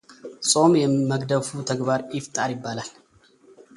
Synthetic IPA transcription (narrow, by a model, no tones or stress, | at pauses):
sʼo̞mjɛməɡd̪əfut̪ʰɐɡbaɾjɪft̪ʼaɾjɪbːalal